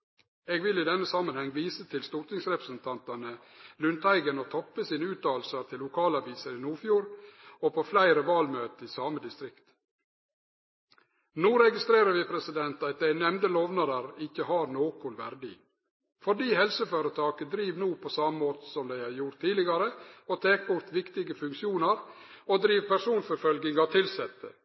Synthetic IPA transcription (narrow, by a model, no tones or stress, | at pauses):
eːɡʋɪliːd̪ɛnːəsɑːmənhɛŋʋiːsət̪ʰɪlst̪uɾt̪nɪŋsɾɛpɾəsənt̪ʰɑnt̪ɑnə | lʉnt̪æɪɡənoːt̪ʰɔpːəsiːnəʉːt̪̚ɑːl̩səɾt̪ʰɪlːʊkʰɑːlɑʋiːsəɾiːnuːfjuːɾopʰoːflæɪɾəʋɑːlmøːt̪əiːsɑːməd̪ɪst̪ɾɪkt̪ | nuːɾɛɡɪst̪ɾeːɾəɾʋɪpʰɾɛsɪd̪ɛnt̪ɑt̪̚d̪æɪnɛmd̪əloːʋnɑd̪əɾɪçəhɑːɾnoːkʊlʋæɾɖḭː | fɔɖiːhɛlsəføːɾət̪ʰɑːkəd̪ɾiːʋnuːpʰoːsɑməmoːt̪ə̥sɔmd̪æɪɑɾjʊɾt̪ʰːiːlɪɡɑɾəot̪ʰeːk̚bʊɾt̪ʋɪkt̪ɪɡəfʉŋkʃɪuːnəɾ | oːd̪ɾiːʋpæʂuːnfɔɾfœlɡɪŋɑt̪ʰɪlsɛt̪ːə̰